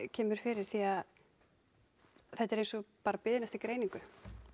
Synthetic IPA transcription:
cʰɛːmʏɾ̥fɪɾɪɾ̥θiað | θɛht̪ːɛɾejnsɔpaːɾapɪðɪnɛft̪ɪkɾeːjniŋkʏ

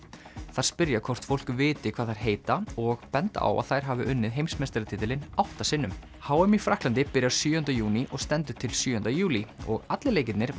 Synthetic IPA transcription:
θaɾ̥spɪɾjakʰɔwr̥t̪fowl̥kʏvɪːt̪ɪkʰvaːðθaɾ̥ɦeːjt̪aɔɣpɛnt̪a̰wa̰ðθajɾ̥ɦaːvɪʔʏnːɪðɦejmsmest̪ɪɾat̪ʰɪːt̪ɪlɪnawht̪asɪnːʏm | haːwʏmifɾahklant̪ɪpɪɾjaɾsjyːjʏnt̪ajuːniʔɔɣst̪ɛnt̪ʏt̪ʰɪlsjʏːœnt̪ajuːliɔ̰ɣat̪lɪleːjcɪt̪nɪɾ

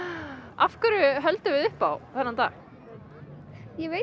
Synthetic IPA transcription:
afkʏɾʏɦœlt̪ʏvɪðʏhpawθɛnːant̪a̰ːx | jɛve

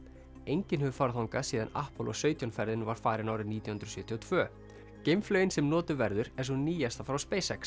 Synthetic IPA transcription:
ejɲcɪnhɛvʏfaɾθawŋkasiːðana̰hpɔlɔ̰sœɥt̪janfɛɾðɪnvaɾ̥faːɾɪnaːwɾɪniːt̪jawhʏnɾɔsɥʏːt̪ʰiɔt̪ʰv̥œː | cejmflœɥɪnsɛmnɔːt̪ʏvɛɾðʏɾɛnsɔniːjast̪afɾawspeːjsɛks

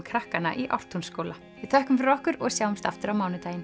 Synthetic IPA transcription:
mkʰɾahkana̰ʔiʔa̰wr̥t̪ʰunskoːla | vɪðt̪ʰœhkʏmfɪɾɔhkʏɾɔɣsjaːwʏmst̪aft̪ʏɾawmaːwnɪt̪aːjɪn

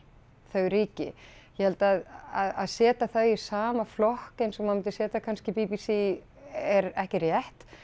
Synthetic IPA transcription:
θœɣɾiːcɪ̰jɛhɛlt̪aðaðaðsɛːt̪aθaɥɪ̥saːmaflɔhkɪnsɛmamɪnt̪ɪ̥sɛːt̪akʰanscɪpipisi | ɛɾɛhcɛɾjɛht̪

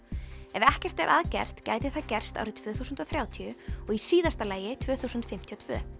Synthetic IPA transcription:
ɛvɛhcɛr̥t̪ɛ̰ɾʔaðcɛ̰r̥t̪ca̰ːjt̪ɪθaðcɛr̥st̪a̰wɾɪt̪ʰv̥œːθuːsʏnt̪ɔθɾjaːwt̪ʰiʏɔɣisiːðast̪alaːjɪt̪ʰvœːθuːsʏnt̪fɪm̥t̪ʰiɔt̪ʰvœ̰ː

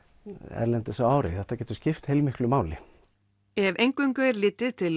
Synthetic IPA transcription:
ɛ̰ɾlɛnt̪ɪsaaːwɾɪ̰θɛht̪acɛːt̪ʏ̥scɪft̪hejlmɪhklʏmaːwlɪ | ɛvʔejŋkʏŋkœɛɾlɪːt̪ɪðt̪ʰɪl

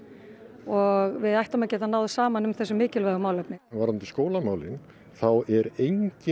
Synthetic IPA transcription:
ɔɣvɪðajht̪amacɛːt̪anaːwðsaːmanʏmθɛsːʏmːɪːcɪlvɛðʏmaːwlœpnɪvaɾant̪ɪskoːwlamaːwlɪn | θawɛɾejɲcɪ

